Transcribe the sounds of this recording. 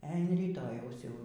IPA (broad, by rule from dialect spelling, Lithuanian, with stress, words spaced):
ɛ ɐn rʲiːˈtoːjɛʊs jɛʊ